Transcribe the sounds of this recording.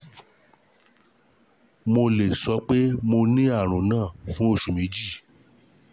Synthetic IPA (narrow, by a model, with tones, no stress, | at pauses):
mo˧le˨sɔ˨˦k͡pe˦mo˧nĩ˦a˦˨ɾ̃ũ˨˦nãː˦˨fũ˦o˦˨ʃũ˨mĩ˨˦d͡ʒi˦˨